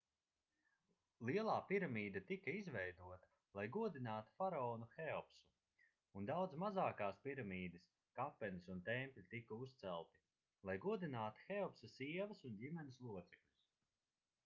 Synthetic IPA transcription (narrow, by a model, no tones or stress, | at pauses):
lˠiɛlˠaːpiɾamiːd̪at̪ikɐizvɛjd̪uɔt̪ɐ̥ | lˠajɡuɔd̪inaːt̪u̥faɾaɔːnuxɛɔpsu | und̪awd̪smazaːkaːspiɾamiːd̪ɨs | kapːɛnisunt̪ɛmpʲʎʲit̪ikɐust̪sɛlˠt̪i̥ | lˠajɡuɔd̪inaːt̪u̥xɛɔpsɐsiɛvɐsundʲimɛnɪslˠuɔt̪sɛklʲus